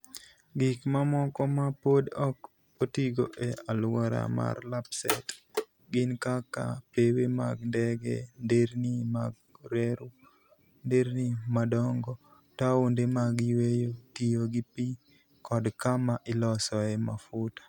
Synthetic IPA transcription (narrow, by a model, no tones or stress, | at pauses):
ɡɪkmamɔkɔmapodɔk | otiɡoʔealwɔɾa̰ma̰rlapsɛt | ɡɪnkaka̰pewema̰ɡndɛɡḛndeɾnimaɡ̚ | ɾeɾu | ndeɾnimadɔŋɡɔ | taondemaɡiwejotijoɡipi | kɔdkamaʔɪlɔsɔɛma̰fʊtḁ